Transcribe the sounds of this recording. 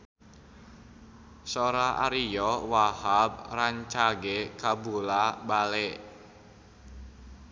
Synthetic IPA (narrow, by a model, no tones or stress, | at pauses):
soɾaʔa̰ɾijɔwahab̚raɲt͡ʃaɡekabulabale